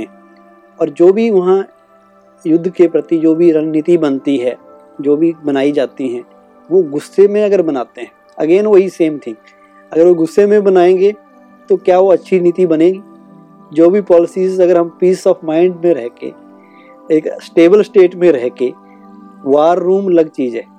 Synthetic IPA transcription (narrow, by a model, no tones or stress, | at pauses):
ɛ̃ | ɔːɾd͡ʒoːbʱiʋɐɦã | jʊd̪ʱːkepɾət̪id͡ʒoːbʱiɾənit̪ibɐnt̪iɦɛː | d͡ʒoːbʱibɐnaːid͡ʒaːt̪iɦɛ̃ː | ʋoɡʊsːemẽɐɡəɾbɐnaːt̪eɦɛ̃ː | ɐ̰ɡeːnʋɐɦiseːmt̪ʰɪ̃ŋɡ | ɐɡəɾʋoɡʊsːemẽbɐnaːẽːŋɡe | t̪okjaʋoɐtːʃʰinit̪ibɐnẽːɡi | d͡ʒoːbʱipɔːlɪsizɐɡəɾɦɐmpiːsɔːfmaːɪ̃ɳɖmẽɾɛɦkḛ | eːksʈeːbəlsʈeːʈmẽɾɛɦke | ʋaːɾːuːmlɐɡt͡ʃiːd͡ʒɦɛː